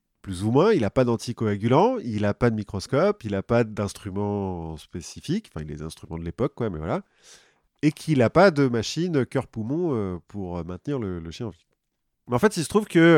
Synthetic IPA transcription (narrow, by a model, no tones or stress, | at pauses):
plyzumwɛ̃ilapad̪ɑ̃t̪ikɔaɡʲylɑ̃ilapad̪əmikχɔskɔpilapad̪ɛ̃st̪χymɑ̃spesifikɑ̃fɛ̰̃ilɛ̰zɛ̰̃st̪χymɑ̃d̪əlepɔkːwamɛ̰vwa̰la | ekʰilapad̪əmaʃinøkʲœʁpumɔ̃øpuʁømɛ̃t̪niʁlələʃjɛ̃ɑ̃viwa | mɛɑ̃fɛt̪ilsət̪χuvkə